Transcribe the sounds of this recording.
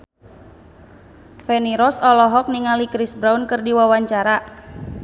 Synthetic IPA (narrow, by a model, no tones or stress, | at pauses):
fɛniɾɔsɔlɔɦɔk̚niŋalikɾisbɾaunkɨrdiwawaɲt͡ʃaɾa